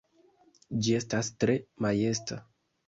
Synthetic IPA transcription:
d͡ʒie̞stastɾe̞maje̞sta

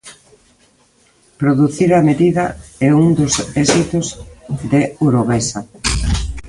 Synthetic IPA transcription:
pɾoðuθiɾameðiðɐɛuŋd̪ʊsɛsit̪ozd̪euɾoβɛsɐ

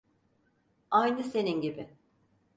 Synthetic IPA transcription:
ajnɯse̞ninɟibɪ

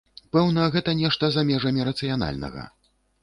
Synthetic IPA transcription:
pɛwnɐɣɛt̪ɐnʲɛʂt̪ɐzamʲɛʐɐmʲiɾɐt̪sɨjana̰lʲnɐ̰ɣɐ̰

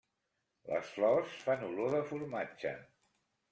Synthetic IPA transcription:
lə̰sflɔsfanuloðəfuɾmat͡ʃə̰

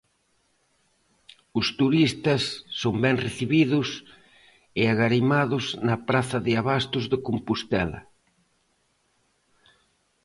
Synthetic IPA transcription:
ʊst̪uɾist̪ɐsːombɛŋreθiβiðʊs | ɪaɣaɾimaðʊznɐpɾaθɐðɪaβast̪ʊzðɪkompust̪ɛlɐ̰

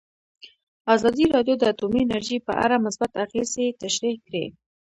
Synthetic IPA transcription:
azɑd̪iɾɑdjod̪əat̪umiɪnaɾʒipə̰ʔa̰ɾamʊsbat̪axezet̪aʃɾikɾe

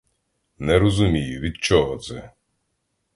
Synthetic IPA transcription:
nɛɾɔzʊmʲijʊʋʲid̪t͡ʃɔɦɔt̪sɛ

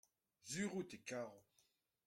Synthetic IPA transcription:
zyʁut̪ekaːʁɔ

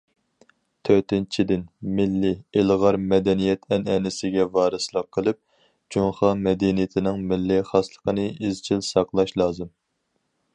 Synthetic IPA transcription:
t̪ʰøt̪ɪnt͡ʃʰid̪ɪnmɪlːɪɪlʁɑɾmɛd̪ɛnijɛt̪ʰɛnɛnɪsɪɡʲɛvɑːɾɨslˠəqʰːəlˠɨp̚ | d͡ʒoŋχɑmɛd̪ɛnijɪt̪ʰɪnɪŋmɪlːiχɑslˠəqənɨizt͡ʃʰilsɑqlˠɑʃlˠɑːzɨm

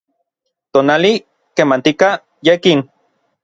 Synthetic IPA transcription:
t̪onali | kemant̪ika | jekin

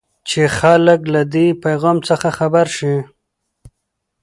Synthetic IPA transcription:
t͡ʃexaləklad̪ipajɣɑmt͡səxaxabaɾʃi

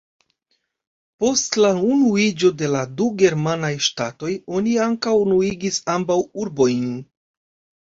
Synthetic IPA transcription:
po̞stlaunuid͡ʒo̞de̞laduɡe̞ɾmanajʃtato̞jo̞niaŋkawnuiɡisambawuɾbo̞jn

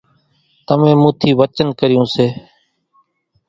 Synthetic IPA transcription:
t̪əmẽːmũːt̪ʰiːʋət͡ʃənkəɾɪjũːseː

